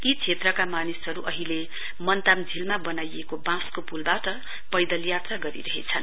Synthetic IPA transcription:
it͡sʰet̪rʌkamanisɦʌɾuʔʌɦile | mʌnt̪amd͡zʱilmabʌnajekobãskopulbaʈʌ | pʌjd̪ʌljat̪raɡʌɾḭɾʌɦḛt͡sʰʌn

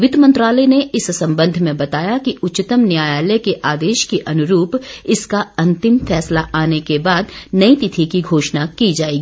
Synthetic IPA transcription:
ʋɪd̪ʱmɐ̃nt̪ɾaːləneɪssɐ̃mbə̃nd̪ʱmẽbɐt̪aːjakiʔʊtːt͡ʃɪt̪əmnjaːjaːləkeʔaːd̪eːʃkiʔɐnʊɾuːpɪskaɐ̃nt̪ɪmfɛːslaʔaːnekebaːd̪nɐit̪ɪt̪ʰikiɡʱoːʃnakid͡ʒaːeːɡiː

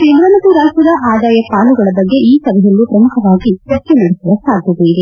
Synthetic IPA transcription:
keːɾɐnɐt̪uɾaːsɐd̪ɐʔaːd̪aːjɐpaːɭuɡɐɭɐbɐɡːe̞iːsɐbɐjɐlːupɾɐmukʰɐʋaːɡit͡ʃɐt͡ʃːenɐɽesɐʋɐsaːɡ̪̚ʱtɐd̪eid̪e

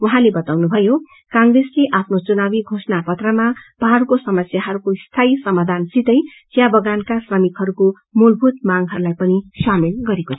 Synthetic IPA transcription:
wʌɦãlebʌt̪awnubʱʌjo | kãŋɡresleʔapʰnot͡sunabiɡʱosnapʌt̪rʌmapaɦɾukosʌmʌsjaɦʌɾukost̪ʰajsʌmad̪ʱansit̪ʌj | t͡sjabʌɡankasrʌmikɦʌɾuko | mulbʱut̪maŋɦʌɾulajpʌnisamelɡʌɾekot͡sʰʌ

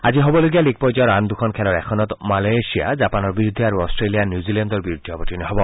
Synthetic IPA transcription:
ad͡ʑiɦobɔloɡialik̚pɔjd͡ʒɔɾand̪ukʰɔnkʰɛlɔɹɛkʰɔnɔt̪malasia̰d͡ʒapanɔɹbiɾud̪ʱiaɾuɔstɹelijanjuzilɛnd̪ɔɹbiɾud̪ʱiɔbɔtinɔɦɔbɔ

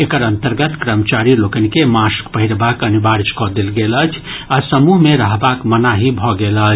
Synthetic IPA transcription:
ekəɾənt̪əɾɡət̪kɾəmət͡ʃaɾilokənikemaskpəɦiɾbakənibaɾt͡ʃkɔd̪elɡelət͡ʃʰ | asəmuɦmeɾəɦbakmənaɦibʱɔɡelət͡ʃʰ

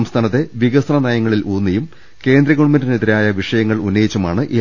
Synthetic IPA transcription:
mst̪ʰaːnɐt̪ːe̞ʋiɣɐsɐnɐnɐjɐŋːɐɭiluːnːɐjum | ke̞ːnd̪ɾɐɣoɳumɐndɐniðiɾaːjɐʋiʂɐjɐŋːɐɭunːɐjit͡ɕːɐmaːɳɨʔi

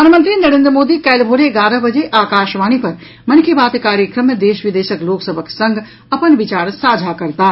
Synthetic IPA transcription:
aːnmə̃nt̪ɾinɐɾẽːnd̪ɾəmoːd̪ikɛːlbʱoːɾeɡaːɾəbɐd͡ʑeʔaːkaːʃʋaːñipɐɾ | mɐnkʰebaːt̪kaːɾjəkɾəmjəd̪eːʃʋɪd̪eːʃəkloːksəbʱəksɐ̃ŋɡʱ | ɐpənʋɪt͡ɕaːɾsaːd͡ʑʱakɐɾt̪aː

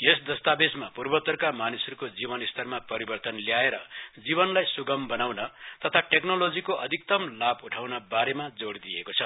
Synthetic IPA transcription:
jesd̪ʌst̪abesmapurbʌt̪ʌrkamanisʌɾukod͡zibʌnist̪ʰʌrmapʌɾibʌrt̪ʌnljaeɾʌd͡ziβʌnlajsuɡʌmbʌnawnʌt̪ʌt̪ʰaʈeknolod͡zikoʌd̪ʱik̚t̪ʌmlabuʈʰawnabaɾemad͡zoɽd̪ijekot͡sʰʌ

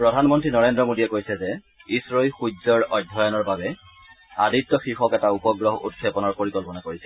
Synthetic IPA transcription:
pɹɔdʱanmɔntɹinɔɹendɹɔmodiɛkojsɛzɛ | isɹɔilxuzɔɹɔdʱːɔjɔnɔɹbabɛ | aditːɔxixɔkɛtaupɔɡɹɔɦɔṵtkʰepɔnɔɹpoɹikɔlpɔnakoɹisɛ

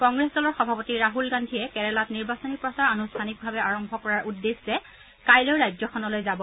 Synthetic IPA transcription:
kɔŋɡɹesdɔlɔɹxɔbʱapɔtiɹaɦulɡandʱiɛkɛɹɛlatniɹbasɔnipɹɔsaɹanustʰanik̚bʱabɛaɹɔmbʱɔkɔɹaɹʔudːeszɛ | kajlojɹajzɔkʰɔnɔlojzabɔ

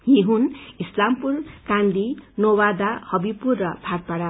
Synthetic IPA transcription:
jeɦunislampurkand̪inowad̪ahʌbipurːʌbʱarpaɽa

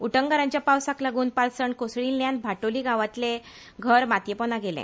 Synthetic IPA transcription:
uʈəŋɡaɾãɲt͡ɕjapawsaklaɡuːnpalsəɳkosɭiːnːjãnbʱaʈoliːɡaʋat̪le | ɡʱəɾmat̪jəpɔnaɡelɛ̰̃

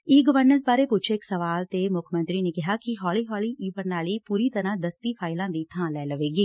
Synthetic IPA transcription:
iːɡəʋəɾnəɾsbaːɾeːpʊt͡ʃʰeːɪksəʋaːlt̪eːmʊkʰmə̃nt̪ɾiːneːkɪɦaːkɪɦɔːliːɦɔːliːʔiːpəɾnaːliːpuːɾiːt̪əɾãːd̪əst̪iːpʰaːɪlãːd̪iːt̪ʰãːlɛːləʋeːɡiː

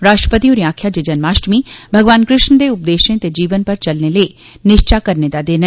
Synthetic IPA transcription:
ɾaːʃʈɾəpət̪ioːɾĩaːkʰjad͡ʒed͡ʒɐnmaːʃʈmibʱɐɡʋaːnkɾɪʃnəd̪eʊp̚d̪eːʃẽt̪ed͡ʒiːʋənpɐɾt͡ʃɐlnelee | nɪʃt͡ʃakɐɾned̪ad̪eːn

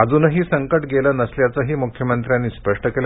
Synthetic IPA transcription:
ad͡zuːnəɦiːsəŋkəʈɡelənəsljat͡səɦiːmukʰjəmənt̪ɾjanːiːspəʂʈəkel

